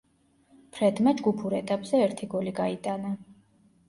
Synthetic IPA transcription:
pʰɾɛd̪mad͡ʒɡupʰuɾɛt̪ʼapʼz̥ɛɛɾt̪ʰiɡɔliɡait̪ʼana

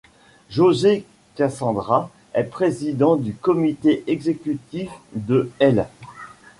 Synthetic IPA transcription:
ʒoze | kasɑ̃d̪ʁa | ɛpχezid̪ɑ̃d̪ykɔmit̪eʔɛɡzekʲyt̪ifd̪əɛl

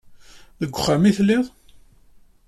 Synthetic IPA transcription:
ðəɡʷːχːamiθlːiðˤ

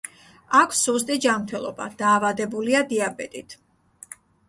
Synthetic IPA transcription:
akʷʰsɔst̪ʼid͡ʒamɾt̪ʰɛlˠɔba̰d̪̥aːvad̪ɛbuliad̪iabɛt̪ʼit̪ʰ

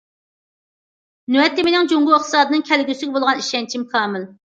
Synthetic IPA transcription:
nyɛt̪ːɪmenɪŋd͡ʒoŋɡʊɪχt̪ʰɨ̥sɑːd̪ɨnɨŋkʲʰɛlɡʲyslɪk̚ʲbolˠʁɑniʃɛnt͡ʃʰimkʰɑːmɪl

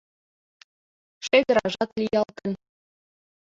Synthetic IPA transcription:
ʂeɡʲɘ̆ɾɑʐɑt̪lʲijɑlˠkɤ̆nʲ

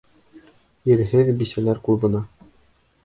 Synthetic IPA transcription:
iɾɦɘðbisælæɾkulˠbɤ̆nɑ

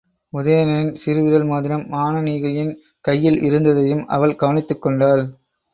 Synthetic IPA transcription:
mʊðɐjɐnɐɾɪnsɪɾɯʋɪɾɐlmaːðɪɾɐmːaːnɐniːɣɐjɪn | kɐjːɪlʔɪ̰ɾɯnd̪ɐðɐjɯmɐ̰ʋɐɭɡ̥ɐʋɐnɪt̪ːɯkːɔɳɖaːl

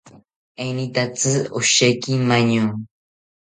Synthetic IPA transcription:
ajnit̪at͡sɨʊʃajkɪmaɲu

